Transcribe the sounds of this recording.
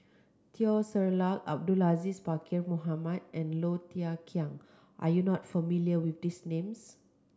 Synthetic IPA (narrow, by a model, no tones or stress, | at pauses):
t̪ʰiɔsəɹlaka̰b̚dulazispakʰiɹmoɦamadʔɛ̃nlotiakʰiãŋ | ʔa̰junɔtfəmiljəwifdisnẽms